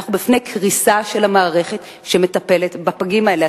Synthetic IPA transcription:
aχubifne̞jkʁisaʃe̞lamaːʁe̞χe̞t | ʃeme̞tape̞le̞tbapaɡimaele

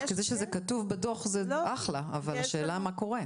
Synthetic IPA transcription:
kedeʃezekatuvbedoχzeaχlaːvalaʃeːlamako̞ʁe

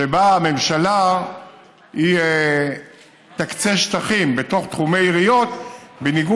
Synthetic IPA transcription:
ebaːme̞mʃala | hie | t̪akt͡seʃt̪aχimbeto̞χt̪χume̞iʁijo̞t̪beniɡu

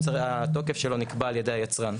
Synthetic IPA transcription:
ato̞kefʃelo̞nikbaːljedejhajat͡sʁan

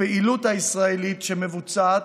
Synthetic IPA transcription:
eʔilut̪aisʁaelit̪ʃeme̞vut͡sat

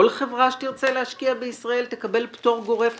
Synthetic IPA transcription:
olχevʁaʃet̪iʁt͡selehaʃkiabeisʁae̞lt̪ekabe̞lpt̪o̞ʁɡo̞ʁef

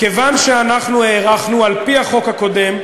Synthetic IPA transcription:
ke̞vanʃeanaχnueːʁaχnualpiaχo̞khako̞de̞m

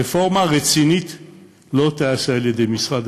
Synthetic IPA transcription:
efo̞ʁmaʁet͡sinit̪ | lo̞t̪aasaːljed̪ejmisʁad̪

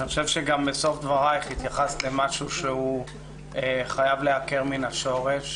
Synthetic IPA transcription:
niχoʃevʃeɡambeso̞fd̪vaʁajχit̪jaχasle̞maʃuʃeu | eχajavleake̞ʁminaʃo̞ʁe̞ʃ

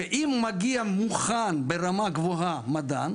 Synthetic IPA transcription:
eʔimːaɡiamuχanbeʁamaɡvoɦamad̪a̰n

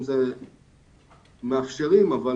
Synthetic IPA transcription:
mze | meafʃeʁimava

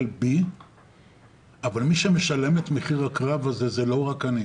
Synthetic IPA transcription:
lbi | avalmiʃeme̞ʃale̞me̞t̪me̞χiʁakʁavaze̞ze̞lo̞ʁakani

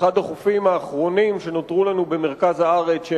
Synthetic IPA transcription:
ad̪aχufimaːχʁo̞nimʃe̞not̪ʁulanubemeʁkazaaʁet͡sʃe

